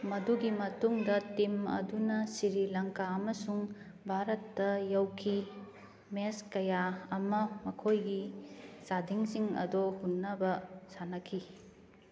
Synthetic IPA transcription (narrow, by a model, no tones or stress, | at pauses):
mɐduɡimɐtuŋdɐtimɐ̰dunɐsiɾilɐŋkaɐmɐsuŋ | bʱaɾɐtːɐjɐwkʰi | meskɐjaɐmɐmɐkʰojɡisadʱiŋsiŋɐ̰dohunːɐbɐsanɐkʰi